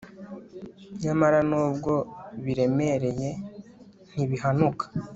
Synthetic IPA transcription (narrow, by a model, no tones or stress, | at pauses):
ɲamaɾanuːbɡo̞βiɾe̞me̞ɾe̞je̞ | n̥iβiɦanukʰḁ